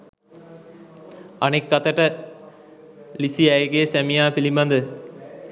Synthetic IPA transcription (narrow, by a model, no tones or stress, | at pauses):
ɐnekːɐt̪əʈə | lisiɛjɡesæmijaːpilimɐnd̪ə